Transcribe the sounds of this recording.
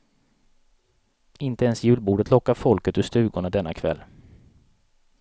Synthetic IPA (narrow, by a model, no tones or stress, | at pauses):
ɪnt̪əɛnsjʉ̟ːlbuːɖət̪lɔkːaɾfɔlkət̪ɵst̪ʉ̟ːɡʊɳad̪ɛnːakʰvɛ̰lː